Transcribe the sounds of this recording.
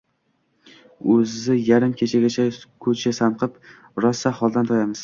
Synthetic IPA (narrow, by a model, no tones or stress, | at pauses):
ɵzzɪjaɾɪmkʲʰet͡ʃʰaɡʲat͡ʃʰakʰɵt͡ʃʰasanqʰɨp | ɾɒsːaχɒlˠd̪ant̪ʰɒjamɪz̥